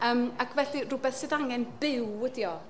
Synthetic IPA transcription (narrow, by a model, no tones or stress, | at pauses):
əːmakʰvɛɬirʊbɛθsɨdaŋɛnb̥ɪwɛdiɔ